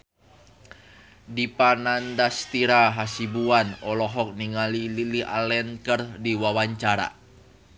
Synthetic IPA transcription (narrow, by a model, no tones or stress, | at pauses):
dipanandast̪iɾaɦasibuanɔlɔɦɔk̚niŋalililiʔa̰lɛnkərdiwawaɲt͡ʃaɾa̰